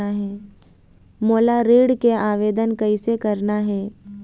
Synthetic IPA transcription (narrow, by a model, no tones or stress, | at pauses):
aɦɛː | moːlaɾeːɽkeaːʋeːd̪ənkɐisekɐɾnaɦɛː